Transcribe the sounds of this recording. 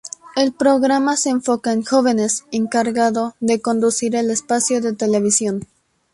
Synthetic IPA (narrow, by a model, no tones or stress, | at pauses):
e̞lpɾo̞ɣɾamaseːɱfo̞kaeŋxo̞βe̞ne̞se̞ŋkaɾɣaðo̞ðe̞ko̞nd̪usiɾe̞lespasjo̞ðe̞t̪e̞le̞βisjo̞n